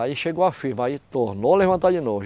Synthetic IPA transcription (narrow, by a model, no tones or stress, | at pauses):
aiʃeɡowafiɾmɐit̪oɾnolevɐ̃nt̪ad͡ʒɪnov